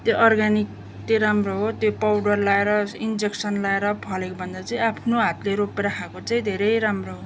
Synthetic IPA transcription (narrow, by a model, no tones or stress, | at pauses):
t̪joʔʌrɡanik̚ | t̪eɾamroɦot̪jopawɽʌrlaeɾʌind͡zeksʌnlaeɾʌpʰʌlekbʱʌnd̪at͡sʌĩapʰnoɦat̪leɾopeɾʌkʰãkot͡saĩd̪ʱeɾʌjɾamroɦo